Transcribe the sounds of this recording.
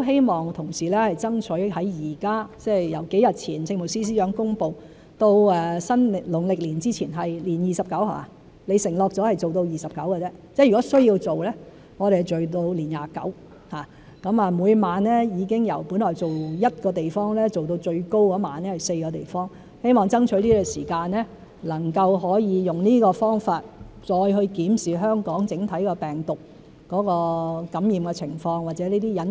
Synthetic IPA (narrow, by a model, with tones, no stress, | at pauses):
o˥wɦe˥jmɔː˨ŋt̪ʰʊ˨˩ŋsiː˨˩lɛː˥hɐ˨jt͡sɐ˥ŋt͡ʃʰɵ˨˥hɐ˨˥jjiː˨˩kaː˥t͡sɛː˥˩jjɐ˨˩wke˨˥jɐ˨t̚t͡sʰiː˨˩nt͡sʰɪ˧ŋmo˨˩siː˥s̬iː˥jœː˨˥ŋkʊ˥ŋpo˨w | t̪o˧wɛː˨sɐ˥n˨lʊ˨˩ŋlɪ˨k̚liː˨˩nt͡siː˥t͡sʰiː˨˩nɦɐ˨jliː˨˩njiː˨˩sɐ˨p̚kɐ˨˥wha̰ː˨ | le˨˧jsɪ˨˩ŋlɔː˨˧k̚t͡sɔː˨˥hɐ˨jt͡so˨wt̪o˧wjiː˨sɐ˨p̚kɐ˨˥wkɛ˧t͡sɛː˧˥ | t͡sɛ˥˩jy˨˩kɔː˨˦˥sɵ˥ɥjiː˧wt͡so˨wlɛː˥ | ŋɔ˨˧ɾe˨˩˨t͡sɵ˨ɥt̪o˧wliː˨˩njaː˨˧kɐ̰˨˥w | haː˨˩ | kɐ˨˥maː˨muː˨˧jmaː˨˧nlɛː˥jiː˨˧kɪ˥ŋjɐ˨˩wpuː˨˥nlɔː˨jt͡so˨wjɐ˥t̚kɔː˧t̪e˨jfɔː˥ŋlɛː˥t͡so˨wt̪o˧wt͡ʃɵ˧ɥko˥wkɔː˨˥ma̰ː˨˧nɛ˥hɐ˨˩jse˧jkɔː˧t̪ḛ˨˩jfɔː˥ŋ | he˥jmɔː˨ŋt͡sɐ˥ŋt͡ʃʰɵ˨˥ɥt̪iː˥kɛ˧siː˨˩kaː˧nlɛː˥ | lɐ˨˩ŋkɐ˧wɦɔː˨˥jiː˨˧jʊ˨ŋniː˥kɔː˧fɔː˥ŋfaː˧t̚t͡sɔː˧jɦɵ˧ɥkiː˨˥msiː˨˩ɦœː˥ŋkɔː˨˥ŋt͡sɪ˨˥ŋt̪ʰɐ˨˥jkɔː˧pɛː˨˩ŋt̪ʊ˨k̚ | kːɔː˨˥kɔː˧kɐ˨˥mjiː˨mkɛː˧t͡sʰɪ̰˨˩ŋfɔː˧ŋwa˨t̚t͡sɛː˨˥niː˥t̪iː˥jɐ˨˥n